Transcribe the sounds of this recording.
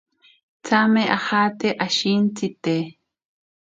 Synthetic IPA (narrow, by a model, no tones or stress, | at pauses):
t͡sameʔaxat̪eʔaʃint͡sit̪e